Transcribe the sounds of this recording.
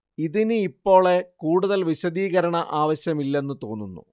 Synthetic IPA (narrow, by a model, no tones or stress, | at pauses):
iðinɨipːo̞ːɭe̞kuːɽuðɐlʋiɕɐðiːɣɐɾɐɳɐʔaːʋɐɕjɐmilːe̞nːɨt̪o̞ːnːunːṵ